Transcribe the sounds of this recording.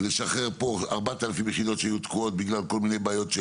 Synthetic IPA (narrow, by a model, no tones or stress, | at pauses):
leʃaχe̞ʁpo̞aʁbat̪alafimjeχid̪o̞t̪ʃeajut̪kuo̞t̪̚biɡlalko̞lmine̞jbaːjo̞t̪ʃe